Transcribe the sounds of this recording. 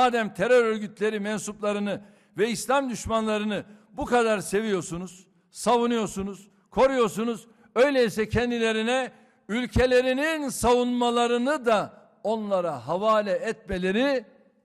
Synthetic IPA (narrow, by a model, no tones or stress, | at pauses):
aːd̪ɛmt̪ʰeɾø̞ɾø̞ɾɟyt̪ʰlʲe̞ɾimɛnsuplˠaɾɯnɯ | vɛislʲamd̪yʃmanlˠaɾɯnɯbukad̪aɾse̞vijo̞ɾsunuz̥ | savunɯjo̞ɾsunuz̥ | kʰo̞ɾujo̞ɾsunuz | ø̞jlʲeisɛcʰɛnd̪ilʲe̞ɾinɛ | ylʲcʰe̞lʲe̞ɾininsavunmalˠaɾɯnɯd̪a | o̞nlˠaɾaɦavaːlʲɛːt̪me̞lʲe̞ɾi